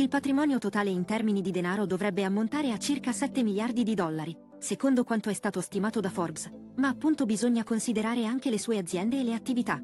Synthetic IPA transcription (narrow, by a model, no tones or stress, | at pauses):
ilpat̪ɾimɔːnjot̪ot̪aːleint̪ɛrminid̪id̪enaːɾod̪ovɾɛbːeamːont̪aːɾeat͡ʃːirkasɛt̪ːemiljard̪id̪id̪ɔlːaɾi | sekond̪okwant̪oɛst̪aːt̪ost̪imaːt̪od̪afɔrbs | maːpːunt̪obizoɲːakonsid̪eɾaːɾeaŋk̟elesuːead̪zːjɛnd̪eːlːeat̪ːivit̪a